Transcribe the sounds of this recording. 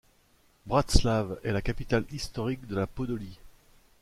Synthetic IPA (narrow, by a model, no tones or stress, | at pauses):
bʁat̪slavɛlakapit̪alist̪ɔʁik̚d̪əlapɔd̪ɔli